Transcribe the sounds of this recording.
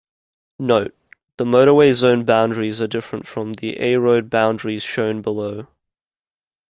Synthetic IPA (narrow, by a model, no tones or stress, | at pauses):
nəʊt̚ | ðəməʊɾəweɪzə̃ʊ̃nbãʊ̃ndɹizədɪfɹə̃ntfɹə̃mðḭʔɛ̰ɪɹəʊd̚bãʊ̃ndɹiz̥ʃə̃ʊ̃nbələʊ